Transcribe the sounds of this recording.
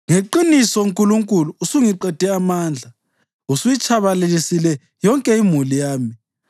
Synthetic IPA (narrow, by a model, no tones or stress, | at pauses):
ŋeǃinisɔŋkʼuluŋkʼuluusuŋiǃɛd̥ʱɛamaːnd͡ɮʱa | usujit͡ʃʰʼaβalelisilɛ | jɔŋkʼɛimulijaːmi